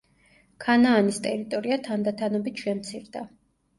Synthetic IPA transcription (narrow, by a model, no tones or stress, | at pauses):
kʰanaːnist̪ʼɛɾit̪ʼɔɾiat̪ʰand̪at̪ʰanɔbit̪ʰʃɛmt̪sʰiɾd̪a